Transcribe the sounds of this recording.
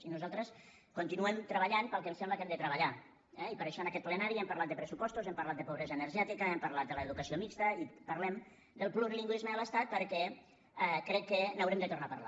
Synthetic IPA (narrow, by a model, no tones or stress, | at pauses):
inuzalˠt̪ɾəs | kunt̪inuɛmt̪ɾəβəʎanpəlˠkɛmsɛmbləkɛmd̪ət̪ɾəβ̞əʎa | ɛipəɾaʃɔənəkɛt̪̚plənaɾiɛmpaɾlat̪̚d̪əpɾəsupɔst̪uzɛmpaɾlat̪̚d̪əpoβ̞ɾɛzəːnəɾʒɛt̪ikəɛmpəɾlat̪̚d̪ələːðukəsiomikst̪əipəɾlɛm | d̪əlˠpluriliŋɡwizməələst̪at̪̚pəɾkɛ | ɛkɾɛkːənawɾɛmd̪ət̪urnapəɾla̰